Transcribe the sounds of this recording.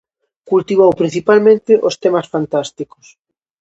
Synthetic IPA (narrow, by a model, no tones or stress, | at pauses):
kult̪iβ̞owpɾĩnθipalmẽnt̪ɪʔost̪ɛmasfant̪ast̪iko̥s